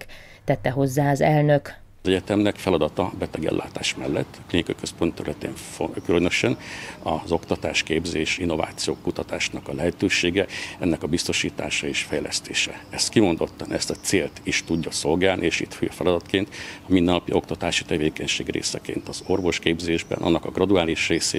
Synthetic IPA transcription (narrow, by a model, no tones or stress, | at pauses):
t̪ɛt̪ːɛɦo̞zːaːɒzɛlnøk | zɛɟɛt̪ɛmnɛkfɛlɒd̪ɒt̪ɒbɛt̪ɛɡɛ̰lːa̰ːt̪aːʃmɛlːɛ̰t̪ːɒ̥klinikɒikøspo̞nt̪ːɛɾylɛt̪ḛːɱfkylønø̞ʃɛnɒzo̞kt̪ɒt̪aːʃkeːbzeːʃinːo̞va̰ːt̪sijoːkːut̪ɒt̪aːʃnɒkɒlɛɦɛt̪øːʃeːɡɛɛnːɛkɒbist̪o̞ʃiːt̪aːʃɒeːʃfɛjlɛ̰st̪eːʃɛ̰ɛst̪kimo̞nd̪o̞t̪ːɒnɛst̪ɒt̪seːlt̪iʃt̪uɟːɒso̞lɡaːlnʔieːʃḭt̪føɒfɛlɒd̪ɒt̪keːnt̪ɒmind̪ɛnːɒpio̞kt̪ɒt̪aːʃi̥t̪ɛveːkɛɲʃeːɡrḛːsɛ̰kḛːnt̪ɒzo̞rvo̞ʃkeːbzeːʒbɛ̰nɒ̰nːɒkɒɡrɒd̪uaːliʃreːseː